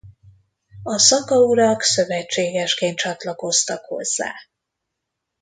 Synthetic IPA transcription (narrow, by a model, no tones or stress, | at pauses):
ɒsɒkɒuɾɒksø̞vɛt͡ʃːeːɡɛʃkeːnt̪t͡ʃɒt̪lɒko̞st̪ɒkho̞̰z̥ːa̰ː